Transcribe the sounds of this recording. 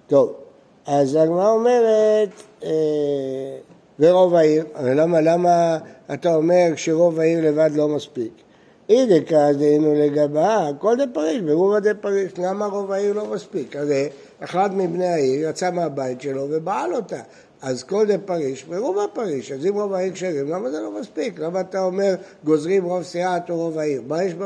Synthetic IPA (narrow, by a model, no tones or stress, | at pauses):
t̪o̞v | azaɡmaʁaome̞ʁet | e | veʁo̞vaiʁlamalamaːtao̞me̞ʁʃeʁo̞vaiʁle̞vad̪lo̞maspik | idekazd̪einuleɡabako̞ldepaʁiʃbeʁuvadepaʁiʃlamaʁo̞vaiʁlo̞maspikaze | eχlatmibnejaiʁjat͡sameabaitʃe̞lo̞ve̞baalo̞ta | azko̞lzepaʁiʃbeʁuvapaʁiʃazimʁo̞vaiʁkʃeʁimlamazelo̞maspiklamaːtao̞me̞ʁɡo̞zʁimʁo̞vseat̪oʁo̞vaiʁmajeʃb